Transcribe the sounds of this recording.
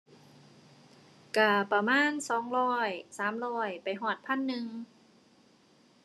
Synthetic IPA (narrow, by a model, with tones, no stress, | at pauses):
ka˧˩pa˧maː˧˥˨nsɔː˩˦ŋɾɔː˧˥˩jsaː˩˦mɾɔː˧˩jpa˨jɦɔː˨˩t̪̚pʰa˥˨nːɯ˧ŋ